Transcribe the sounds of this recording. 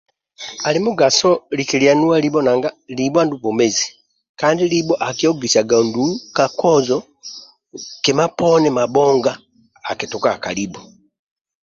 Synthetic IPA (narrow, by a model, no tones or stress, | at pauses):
alimuɡasolikilianuwalibonaŋɡalibandubomezi | kaːndiliboʔakijoɡisaɡandukakozɔ | kemaponɛmaɓoːŋɡaː | kitukakalibo